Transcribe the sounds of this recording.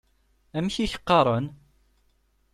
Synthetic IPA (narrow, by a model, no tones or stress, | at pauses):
æmçiçə̥qːɑɾˤən